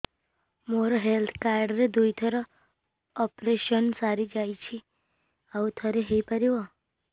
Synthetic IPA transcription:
moɾoɦelt̪ʰkaɾɖɾed̪ujt̪ʰəɾɔ | ɔpɾeʃənsaɾid͡ʒajt͡ʃʰi | aut̪ʰəɾeɦejpəɾiʋo

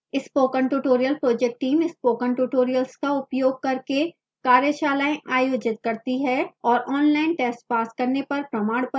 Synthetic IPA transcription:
ɪspoːkə̃ɳʈuːʈoːɾijəlpɾoːd͡ʒɛk̚ʈʈiːmɪspoːkə̃ɳʈuːʈoːɾijəlskaʊpjoːɡ̚kɐɾke | kaːɾjəʃaːlaːẽʔaːjoːd͡ʒɪt̪̚kɐɾt̪iɦɛɔːɾʔɔːnlaːɪnʈɛːsʈpaːskɐɾnepɐɾpɾɐmaːɽpɐ

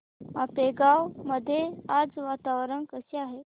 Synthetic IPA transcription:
mapeɡawməd̪ʱːjead͡zʋat̪aʋəɾənkəseaɦe

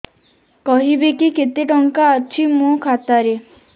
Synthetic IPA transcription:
kɔɦibekiket̪eʈɔŋkaːt͡ʃʰimũkʰat̪aɾe

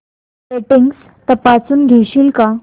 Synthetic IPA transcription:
seʈiŋɡs | t̪əpat͡suːnɡʱeɕiːlka

